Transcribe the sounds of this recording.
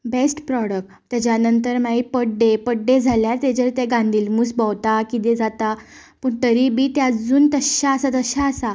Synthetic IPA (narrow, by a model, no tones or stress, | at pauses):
besʈpɾɔɽək̚ʈt̪jat͡ɕjanənt̪əɾmaipəɖɖepəɖːed͡zʱaljaɾt̪ed͡ʑəɾt̪eɡãnd̪iːlmuːsbɔwt̪akid̪ed͡zat̪a | pəːɳt̪əɾibiːt̪jad͡zuːnt̪əɕaəsat̪əɕaəsa